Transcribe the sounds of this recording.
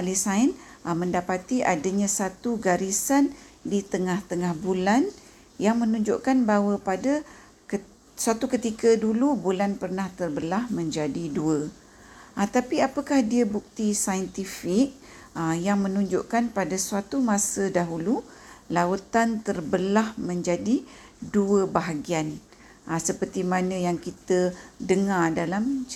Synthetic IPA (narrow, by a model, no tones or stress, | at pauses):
alisaən | mə̃ndapat̪iʔadaɲãsat̪uɡaɾisandit̪əŋaht̪əŋahbulan | jaŋmə̃nũɲd͡ʒʊʔkanbaɦwəpada | k | suat̪ukət̪ikədulubulanpərnaht̪ərbəlahmə̃ɲd͡ʒadiduə | at̪apiapəkahdiəbuk̚t̪isajənt̪ifɪk̚ | ajaŋmə̃nũɲd͡ʒʊʔkanpadasuat̪umãsədaɦulu | laut̪ant̪ərbəlahmə̃ɲd͡ʒadi | duəbaɦaɡian | ʔasəpərt̪imanə̃jaŋkit̪ədəŋadalam